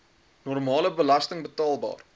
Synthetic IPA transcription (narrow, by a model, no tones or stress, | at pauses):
nɔrmɑːləbəlɐstəŋbətɑːlˠbɑ̰ːr